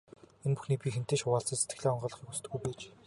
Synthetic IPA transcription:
enpu̥xniːpʲixem̥t̪eːʃʊwaːɮt͡sə̆ːset̪ɡɘ̆ɮeːɔɴɢɞːɮə̆χiːkusɘ̥̆t̪ɡujpeːt͡ɕ

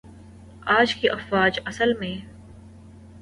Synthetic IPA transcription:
aːd͡ʒkiʔɐfwaːd͡ʒɐsəlmẽː

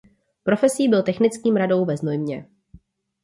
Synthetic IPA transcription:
pɾo̞fɛsiːbɪlt̪ɛxnɪt͡skiːmɾado̞wvɛznojmɲɛ

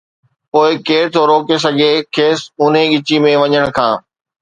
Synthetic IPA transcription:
poːɪkeːɾt̪ʰoɾoːkes̬ɐɡʱekʰeːsʊn̤ẽɠɪt͡ɕimẽʋɐɲəɽ̃kʰãː

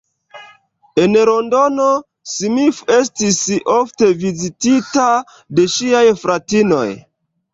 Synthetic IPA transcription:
e̞nɾo̞ndo̞no̞ | simife̞s̬tisofte̞vizitita | de̞ʃiajfɾatino̞̰j

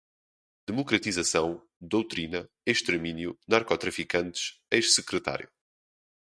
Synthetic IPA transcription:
d̪̥ɨmukɾɐt̪izɐsɐ̃w̃ | d̪owt̪ɾinɐ | eʃt̪ɨɾminjunaɾkɔt̪ɾɐfikɐ̃nt̪ɨʃejʃsɨkɾɨt̪a̰ɾju

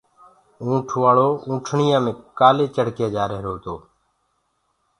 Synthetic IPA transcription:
ũːʈʰʋaːɭoːũːʈʰɳɪjãːmẽːkaːleːt͡ʃəɽkeːd͡ʒaːɾeːɾoːt̪oː

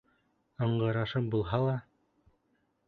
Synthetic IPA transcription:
ɤ̆ɴɢɤ̆ɾɑʃɤmbulˠɦɑlˠɑ

